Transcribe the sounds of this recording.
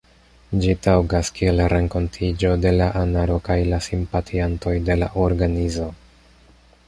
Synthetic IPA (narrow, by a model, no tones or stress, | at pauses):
d͡ʒitawɡaskie̞lɾe̞ŋko̞ntʰid͡ʒo̞de̞laʔanaɾo̞kajlasimpatʰianto̞jde̞la̰ʔo̞ɾɡanizo̞